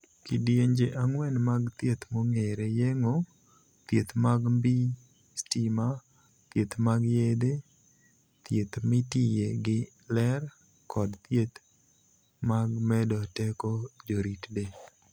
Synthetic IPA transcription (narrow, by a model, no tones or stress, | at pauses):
kidjeɲd͡ʒeʔaŋwɛnmaɡt̪jet̪moŋeɾejeŋo | t̪jet̪maɡmbi | stima | t̪jet̪maɡjed̪e | t̪jet̪mɪtijeɡɪ | lɛr | kɔdt̪jet̪ | maɡmɛdɔtɛkɔd͡ʒoɾitde